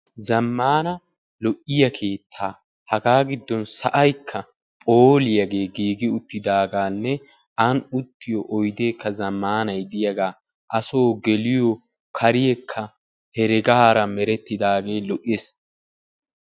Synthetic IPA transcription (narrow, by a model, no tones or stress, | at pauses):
zɐmːaːnɐ | lɔʔɪjɐkʰe̞ːt̪ʰːaː | hɐɡaːɡɪd̪ːɔnsɐ̰ʔɐjkʰːɐ | pʼoːlɪjɐɡe̞ːɡiːɡɪʊt̪ːɪd̪aːɡaːnːɛ | ʔɐnʊt̪ːɪjɔʔɔjd̪eːkːɐzɐmːaːnɐjd̪ɪjɐɡaː | ʔɐso̞ːɡɛlɪjɔ | kʰɐɾɪjɛkʰːɐ | hɛɾɛɡaaːɾɐmɛɾɛt̪ːɪd̪aːɡe̞ːlɔʔes